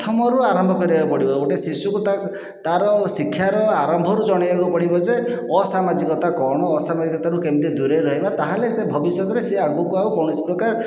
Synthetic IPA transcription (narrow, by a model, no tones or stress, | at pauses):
t̪ʰɔmɔɾuaɾɔmbʱɔkɔɾibakupɔɽibɔoʈesisukut̪a | t̪aɾɔsikʰːjaɾɔaɾɔmbʱɔɾud͡ʒɔɽ̃ibaɡupɔɽibɔd͡ʒe | ɔsamad͡ʒikɔt̪akɔɽ̃ɔːsamad͡ʒikɔt̪aɾukemid̪id̪uɾeɾɔɦebat̪aɦalet̪ebʱɔbisjɔt̪ɔɾeseaɡukuaukɔɽ̃ispɾɔkaɾ